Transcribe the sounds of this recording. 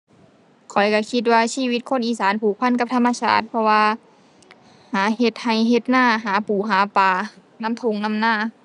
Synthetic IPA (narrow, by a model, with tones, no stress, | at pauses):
kʰɔ˨˩jka˧˩kʰi˧˦t̪̚waː˧siː˧˨wi˧t̪̚kʰo˧˥˨nʔiː˧˩saː˨˦npʰuː˨˩k̚pʰa˧˥˨nka˧˥p̚t̪ʰa˧˥mːa˧sʰa̰ː˧˩t̪̚pʰɔ˧waː˧ | haː˨˦he˧t̪̚ha˨˩jhe˧t̪̚naː˧˩˨ɦaː˨˩˦puː˨˩ɦaː˩˦paː˨˩ | na˧˥˨mt̪ʰo˧˨ŋna˧˥˨mnaː˧˥˩